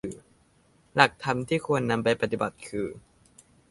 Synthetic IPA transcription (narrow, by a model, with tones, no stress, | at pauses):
la˨˩k̚t̪ʰa˧mt̪ʰiː˥˩kʰu˧ənːa˧mpa˧jpa˧˩t̪i˨˩ba˨˩t̪̚kʰɯː˧